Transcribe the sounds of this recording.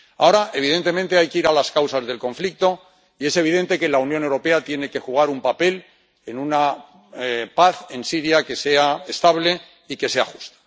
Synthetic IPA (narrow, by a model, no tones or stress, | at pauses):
ao̞ɾaʔe̞β̞iðe̞nt̪e̞mẽnt̪e̞ajkeiɾalaskawsazðe̞lko̞ɱflik̚t̪o̞ | ie̞se̞β̞iðent̪e̞ke̞launjo̞ne̞wɾo̞pe̞at̪je̞ne̞ke̞xuɣ̞aɾumpape̞l | enũna | paθe̞nsiɾjake̞se̞ae̞st̪aβle̞ | ike̞se̞a̰xu̥st̪ḁ